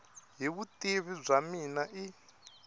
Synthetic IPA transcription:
ɦiβutʼiβib͡ʐʷaminaʔi

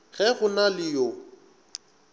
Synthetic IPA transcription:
ɣɛɣʊnalɪjo

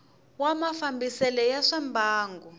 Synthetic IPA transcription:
wamafambisɛlɛjaʂambʱaːŋɡu

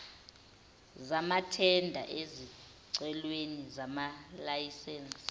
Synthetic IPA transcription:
zamatʰɛndʱa̰ʔezi | ǀɛlwenizamalajisɛns

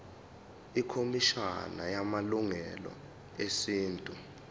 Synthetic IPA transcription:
ikʰomiʃa̰najamaluŋɛlɔ̰ | esiːntʼu

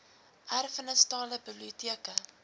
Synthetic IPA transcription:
ʔærfənəstɑːləbəblitiəkə

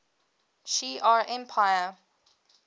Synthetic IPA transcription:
ʃiːʔaɹɛ̃mpʰajə

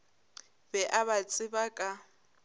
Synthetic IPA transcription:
bɛʔaβat͡sʼɪbakʼa

